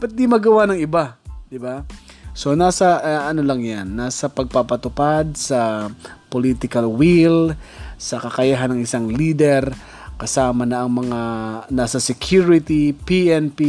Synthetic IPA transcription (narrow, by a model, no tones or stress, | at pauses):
pɐt̪̚d̪imɐɡɐwanɐŋɪbad̪ɪbaso̞nasɐʔɐnolɐŋjanːasɐpɐɡ̚papɐt̪ʊpad̪̚sɐpolit̪ɪkɐlwilsɐkɐkɐjaɦanɐŋɪsaŋlid̪ɛɾ | kɐsaːmɐnɐʔɐŋmɐŋanasɐsɛkʰjuɾɪt̪ipiʔɛnpi